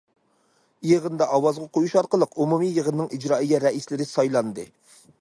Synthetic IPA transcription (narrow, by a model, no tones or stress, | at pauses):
jeʁənd̪ɑʔɑwɑzʁɑqʰojuʃɑɾqəlˠəqumumijeʁənːɨŋid͡ʒɾɑːijʲɛɾɛʔislɪɾɪsɑjlˠɑnd̪ɨ